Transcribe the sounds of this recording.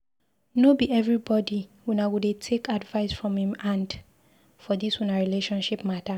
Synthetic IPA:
nobiɛvɹibɔdiwɛ̃nawudetʰekadvaɪsfɹɔ̃mhĩmãnd | fɔdiswunaɹileʃɔ̃nʃipmata

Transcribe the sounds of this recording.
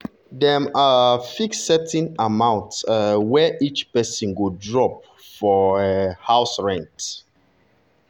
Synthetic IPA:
dɛmafiksɛtĩnamãʊ̃ntswɛʔit͡ʃpɛsĩnwudɹɔp̚ | fɔhaʊsɹɛ̃nt

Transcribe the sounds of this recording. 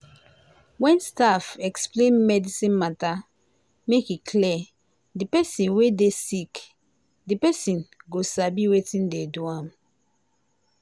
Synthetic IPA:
wɛ̃nstafɛksplẽnmɛdisĩnmata | mekikʰlɛ | dipɛsĩnwedesik | dipɛsĩnɡosabiwetĩndeduãm

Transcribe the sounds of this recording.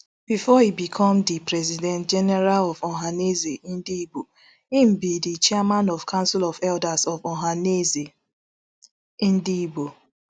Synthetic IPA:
b̥ifɔibikʰɔ̃mdipɹɛzidɛ̃nt̚d͡ʒɛnɛɹalɔvɔɦanezeĩn̩dibo | im̩bidit͡ʃɛɛmãnɔv̥kʰãnsilɔvɛldasɔvɔɦaneze | ĩndibo

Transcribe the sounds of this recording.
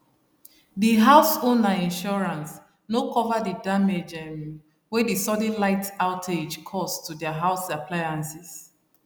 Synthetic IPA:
diɦaʊsonaĩnʃɔɹãns | nokɔvadidamed͡ʒɛ̃m | wɛdisɔdĩlaɪtaʊtʰed͡ʒkʰɔstudɛaɦaʊsaplajãnsis

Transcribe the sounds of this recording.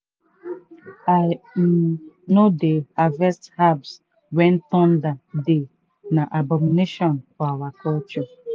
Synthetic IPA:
a | nodeavɛsthabs | wɛ̃n̩tɔ̃ndade | naʔabɔmineʃɔnfɔawakɔlt͡ʃɔ

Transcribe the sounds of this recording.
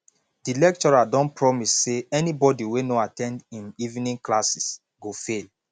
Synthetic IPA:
d̥ilɛk̚t͡ʃɔɹadɔ̃npɹɔmisːeɛnibɔdiwenoatɛ̃ndĩnivnĩŋklasis | ɡofel

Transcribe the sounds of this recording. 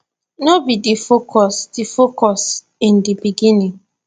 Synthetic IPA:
nɔbidifokʰɔsdifokɔs | ĩndibiɡĩnĩŋ

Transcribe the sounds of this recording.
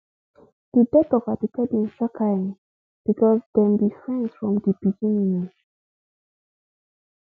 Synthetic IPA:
d̥ədɛtɔvadikʰɛdĩnsakʰãn | b̥ikʰɔsdɛ̃mbifɹɛ̃nsfɹɔ̃mdibiɡĩnĩŋ

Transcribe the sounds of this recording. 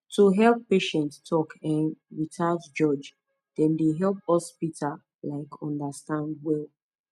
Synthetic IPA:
tʰuɦɛlˠpːeʃɛ̃ntstʰɔkʰɛ̃nɹitʰatd͡ʒɔd͡ʒ | d̥ɛ̃ndeɦɛlˠp̚ɔspitʰa | laɪkɔ̃ndastãnd̚wɛlˠ

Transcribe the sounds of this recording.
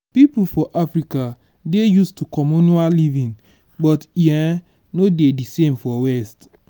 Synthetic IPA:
pip̩fɔʔafɾika | dejustukʰɔmonualivĩŋ | bɔtja | nodedisemfɔwɛst

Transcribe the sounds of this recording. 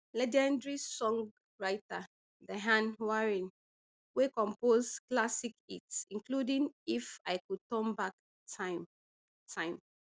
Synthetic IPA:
lɛd͡ʒɛ̃ndɹisɔ̃ŋɡ | ɹaɪta | dəɦãnwaɹĩn | wekɔ̃mpozklasikitsĩŋkludĩŋifaɪkud̚tɔ̃mbak | ta | tʰãɪ̃m

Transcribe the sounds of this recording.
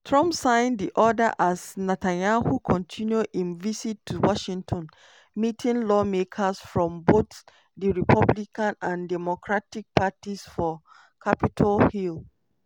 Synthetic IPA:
tʰɹʌ̃mpsãɪ̃ndiʔɔdəʔasnɛtãnahukʰɔ̃ntʰĩnjuĩnvisitʰːuwɔʃĩŋtʰɔ̃n | mitʰĩnlɔmekʰəsfɹɔ̃mbot | diɹipʰʌblikãnãndɛmɔkɹatik̚pʰatisfɔ | kʰapitʰalhil

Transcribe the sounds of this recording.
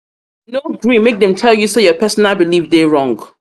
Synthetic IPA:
noɡɹimek̚ðɛ̃mtʰɛlˠjusojɔpʰɛsɔ̃nabilivdeɹɔ̃ŋɡ

